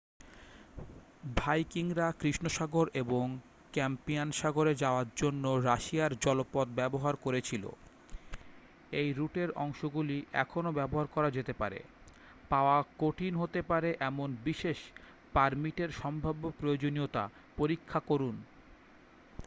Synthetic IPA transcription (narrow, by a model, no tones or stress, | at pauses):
bʱajkiŋɾakɾiʃnoʃaɡoɾeboŋ | kɛmpianʃaɡoɾed͡ʑaoaɾd͡ʑonːoɾaʃiaɾd͡ʑɔlopɔd̪bɛboɦaɾkoɾet͡ɕʰilo̰ | ejɾuʈeɾɔ̰ŋʃoɡuliʔɛ̰kʰonobɛboɦaɾkɔɾad͡ʑet̪epa̰ɾḛ | paoakoʈʰinɦot̪epaɾeʔɛmonbiʃeʃ | paɾmiʈeɾʃɔmbʱabːopɾojod͡ʑoniot̪a̰ | poɾikʰːakoɾun